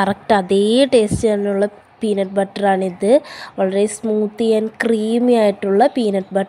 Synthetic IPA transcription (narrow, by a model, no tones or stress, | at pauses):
kɐɾɐk̚ʈɐðeːʈeːst͡ʃɐnɯɭːɐ | piːnɐʈ̚bɐʈːɾaːnɪðɯʋɐɭːɐɾesmuːt̪ːijɐnkɾiːmiaːjɪʈːɯɭːɐpiːnɐʈbɐʈː